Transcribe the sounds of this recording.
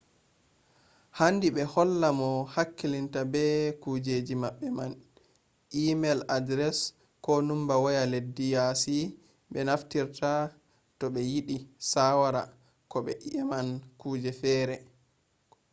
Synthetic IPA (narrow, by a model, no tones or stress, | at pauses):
handiɓɛhɔlːamɔhakːilintabɛkuːd͡ʒed͡ʒimaɓːɛman | ʔimɛladɾɛs | kɔnumbawɔjaledːijasi | ɓɛnaftiɾta | tɔɓɛjiɗisawaɾa̰ | kɔɓɛ̰ʔiʔamankuːd͡ʒɛfɛːɾɛ